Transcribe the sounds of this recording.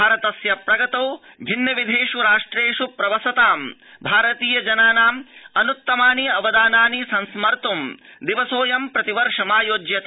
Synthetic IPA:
baːɾɐt̪ɐsjɐpɾɐɡɐt̪oː | bʱinjɐʋid̪ʱeːʂuɾaːʂʈɾeːʂupɾɐʋɐsɐt̪aːm | bʱaːɾɐt̪iːjɐd͡ʒɐnaːnaːmɐnut̪ːɐmaːniɐʋɐd̪aːnaːnisɐ̃nsmɐɾt̪umd̪iʋɐsoːjɐmpɾɐt̪iʋɐɾʂɐmaːjoːd͡ʒjɐt̪

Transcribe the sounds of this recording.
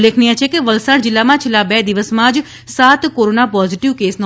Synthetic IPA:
leːkʰnijãt͡ʃʰekeʋəlsaʈd͡ʒɪlːamãːt͡ʃʰɪlabɛːd̪ɪʋəsmãd͡ʒ | saːt̪koːɾoːnapɔːzɪʈɪʋkeːsnõ

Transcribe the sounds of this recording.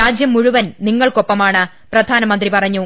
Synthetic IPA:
ɾaːd͡ʑjɐmːuɻuʋɐnniŋːɐɭko̞pːɐmaːɳɨ | prɐd̪ʱaːnɐmɐnd̪ripɐrɐɲːu

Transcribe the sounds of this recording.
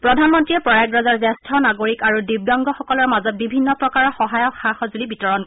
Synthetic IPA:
pɹɔdʱanmɔntɹiɛpɹɔak̚ɹazaɹzɛstʰɔnaɡoɹikaɹudib̚daŋɡɔxɔkɔlɔɹmazɔt̚bibʱinːɔpɹɔkaɹɔxɔɦajɔkxaxɔzulibitɔɹɔnk

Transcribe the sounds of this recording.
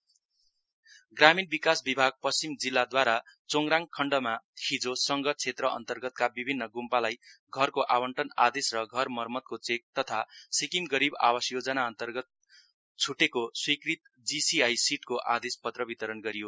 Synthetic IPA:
ɡraminbikasbibʱaɡ̚pʌst͡simd͡zilːad̪waɾat͡soŋɡɾaŋkʰʌɳɖʌmahid͡zosʌŋɡʌt͡sʰet̪rʌʔʌ̰nt̪ʌrɡʌt̪̚kabibʱinːʌɡumpalajɡʱʌrkoʔawʌɳʈʌna̰d̪esrʌɡʱʌrmʌrmʌt̪̚kot͡sek̚t̪ʌt̪ʰasikimɡʌɾiba̰wʌsjod͡zʌnaʌnt̪ʌrɡʌt̪̚ | t͡sʰuʈekoswikrit̪ | d͡zisiajsiʈkoʔad̪espʌt̪rʌbit̪ʌɾʌnɡʌɾijo

